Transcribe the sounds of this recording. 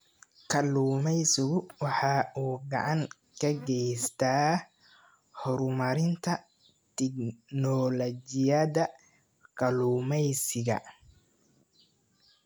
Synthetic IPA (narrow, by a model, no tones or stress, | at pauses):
kʰɐluːmɛjsɪɣʊwɑħɑːuːɡɑ̰ʕɑŋ | kʰɐɡɛjst̪ʰaː | hɔɾmɐɾɪnt̪ʰɐ | t̪ʰɛɡnɔlɔd͡ʒɪjɐðɐ | kʰɐluːmɛjsɪɣɐ̰